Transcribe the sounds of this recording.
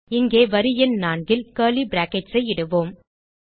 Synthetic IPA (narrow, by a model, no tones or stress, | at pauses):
ɪŋɡeːʋɐɾɯjɛnnaːɳɡɪlkeːlibɪɾaːkɛt͡ʃsɐɪɪɽɯʋoːm